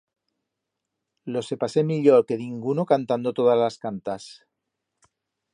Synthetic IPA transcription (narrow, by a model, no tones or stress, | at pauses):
lo̞se̞pase̞miʎoɾke̞niŋɡunokant̪and̪o̞t̪o̞ð̞azlaskant̪as